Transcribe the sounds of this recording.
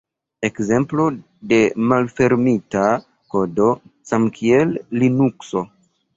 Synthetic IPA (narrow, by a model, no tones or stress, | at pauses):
e̞kze̞mplo̞ | de̞malfe̞ɾmita | ko̞do̞samkʰie̞lːinukso̞